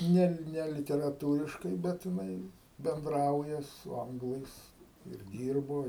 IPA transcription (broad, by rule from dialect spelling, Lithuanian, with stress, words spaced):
ˈnʲɛ ˈnʲɛ lʲɪtʲɛrɐˈtuːrʲɪʃkɐɪ ˈbʲɛt jɪˈnɐɪ bʲɛnˈdrɐʊjɛ sʊ ˈɐŋɡlˠɐɪs ɪr ˈdʲiːrboː